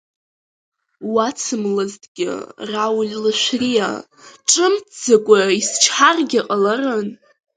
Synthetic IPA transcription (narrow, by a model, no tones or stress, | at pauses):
wat͡sʰɨmlɨztʼɡʲɪ̰rawlʲlaʃʷrija̰ | ʈ͡ʂʼɨmd͡zakʷʼaist͡ʃʰħarɡʲaqʼalarɨn